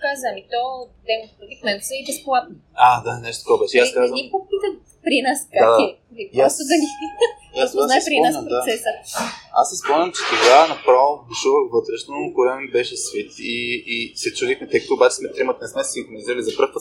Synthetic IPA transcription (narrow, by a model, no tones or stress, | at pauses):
kazəmit̪ɔd̪ɛmɾod̪ikmɛnsəibɛsplˠat̪nə | ad̪anɛʃt̪ot̪əkɔɛbɛʃɛiasskazvimpokpit̪ə | pɾinaskaad̪ilipɔst̪od̪ɐni | asaaɛspɾinɔaspɾot̪sɛsəa̰sːɛspɔmnʲəmt͡ʃɛ̥t̪oɡanɐpɾavb̪uʃuvəxvɤt̪ɾɛʃnokoɾɛmibɛʃɛsvit̪iːsɛt͡ʃud̪ixmɛt̪ɛkt̪oːbat͡ʃɛ̥smɛt̪ɾimət̪nɛsmɛsiŋxɾoniziɾəlʲizɐpɾɤfpə